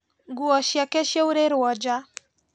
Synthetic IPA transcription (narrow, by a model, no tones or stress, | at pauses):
ɡuɔʃjakɛʃjeuɾeɾwɔd͡ʒa